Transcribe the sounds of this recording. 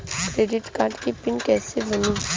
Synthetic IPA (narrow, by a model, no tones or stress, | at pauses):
kɾeːɖɪʈkãːɳʈkipɪnkɛːsebəniː